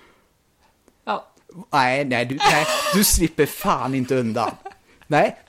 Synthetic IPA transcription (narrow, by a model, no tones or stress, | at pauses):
næɪnæɪd̪ʉnæɪd̪ʉslɪpːəfɑːnɪnt̪əœnd̪ɑ̰ːl | næɪ